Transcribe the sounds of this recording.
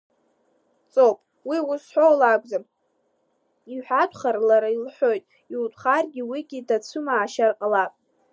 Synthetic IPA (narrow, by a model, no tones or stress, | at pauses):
t͡sʼowpʼ | wiusħʷᶣowlakʷʼzam | iħʷᶣatʷʰʼχarlaɾailħʷo̞jtʼ | iutʷʰʼχarɡʲiwiɡʲidat͡sʷʰʊmaːʃarqʼalapʼ